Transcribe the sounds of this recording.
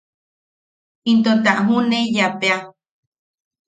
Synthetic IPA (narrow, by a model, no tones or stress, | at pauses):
int̪̬ot̪aʔɦuneijapea